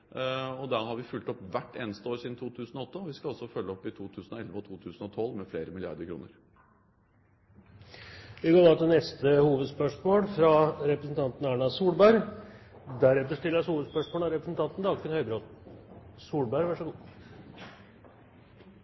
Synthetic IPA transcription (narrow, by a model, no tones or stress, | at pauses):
ɔd̪æɾhɑɾʋɪfʉlt̪ɔpːʋæʈːeːnəst̪əoːɾʂiːd̪n̩t̪ʰuːt̪ʰʉːsn̩ɔɔt̪ːəɔʋɪskɑɑlsɔfœlːəɔpːɪt̪ʰuːt̪ʰʉːsnɔɛlʋəɔt̪ʰuːt̪ʰʉːsn̩ɔt̪ʰɔlːmɛfleːɾəmɪlɪɑ̰ɾd̪əɾkʰɾṵːnəɾ | ʋɪɡoːɖɑːt̪ɪlnɛst̪əhuːʋəd̪spœʂmoːlfɾɑɾɛpɾəsn̩t̪ʰɑnt̪n̩æːɳɑsuːɽbæɾ | d̪æɾɛft̪əʂʈ̪ɪlːəɔshuːʋəd̪spœʂmoːlɑɾɛpɾəsnt̪ʰɑnt̪n̩d̪ɑɡfɪnhœʏbɾot̪ | suːɽbæɾʋæʂəɡuː